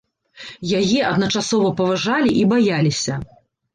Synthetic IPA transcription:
jajɛʔɐd̪nɐt͡ʂasɔvɐpɐvaʐalʲiʔibajalʲisʲɐ

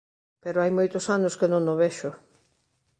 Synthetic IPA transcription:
peɾoajmojt̪osanoskenõŋnoβeʃʊ

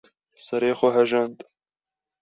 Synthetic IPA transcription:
sɐɾeːxʊɦɐʒɐnd̪

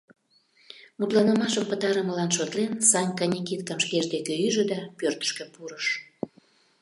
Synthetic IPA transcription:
mut̪lɑnəmɑʃəmpət̪ɑɾəməlɑnʃot̪lensɑnʲkɑnʲikit̪kɑmʃkeʒd̪ekeyʒə̆d̪ɑpørt̪ə̥ʃkə̆puɾəʃ

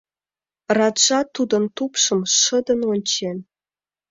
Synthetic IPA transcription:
rɑt̪ʒɑt̪ud̪ə̆nt̪upʃə̆mʃə̆d̪ənonʲt͡ɕen

